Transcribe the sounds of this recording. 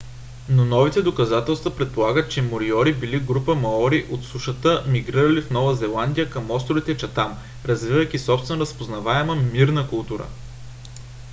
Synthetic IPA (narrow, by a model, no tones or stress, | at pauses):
nonɔvit̪ɛd̪okɐzat̪ɛlˠst̪vɐpɾɛt̪̚polˠaɡət̪̚t͡ʃɛmoɾiɔɾibiliɡɾupəmɐɔɾiʔot̪suʃət̪əmiɡɾiɾəlifnɔvəzɛlˠand̪ʲijəkəmɔst̪ɾovit̪ɛt͡ʃɐt̪am | ɾɐzvivəjk̟isɔpst̪vɛnoɾəspoznɐvaɛməmiɾnəkʊlˠt̪uɾə̰